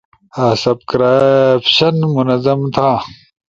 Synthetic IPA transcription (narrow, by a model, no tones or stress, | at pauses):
ɐsɐb̚kɾapɕɐnmunɐzɐmt̪ʰaː